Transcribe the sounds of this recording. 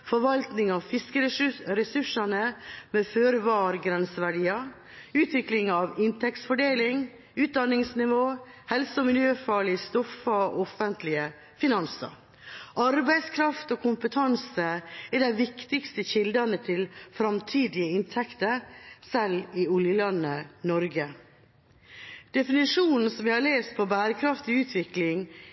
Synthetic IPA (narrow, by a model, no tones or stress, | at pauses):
fɔɾʋɑlt̪nɪŋɑʋfɪskəɾɛsʉʂɑnəmeːføːɾəʋɑːɾɡɾɛnsəʋæɖiːɑ | ʉːt̪ʰʋɪklɪŋɑʋɪnt̪ʰɛktsfɔɖeːlɪŋ | ʉːt̪̚d̪ɑnːɪŋsnɪʋoːhɛlsɔmɪljøːfɑɭɪst̪ɔfɑoʔɔfənt̪lɪə | fɪnɑnsɑ̰ | ʔɑɾbæɪskʰɾɑft̪oːkʰʊmpət̪ʰɑnsəɛɖæɪʋɪkt̪ɪkst̪əçɪld̪ɑnət̪ʰɪlfɾɑmt̪ʰiːd̪ɪəɪnt̪ʰɛkt̪əɾsɛlɪʉljəlɑnːənɔɾɡə | d̪̥ɛfɪnɪʂuːnn̩sɔmʋɪhɑɾɭeːst̪̚pʰɔbæːɾəkʰɾɑft̪ɪʉːt̪ʰʋɪklɪŋ